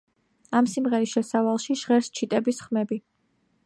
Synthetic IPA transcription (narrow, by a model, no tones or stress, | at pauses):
amsimʁɛɾisʃɛsavalˠʃiʃʁɛɾst͡ʃʰit̪ʼɛbisχmɛbi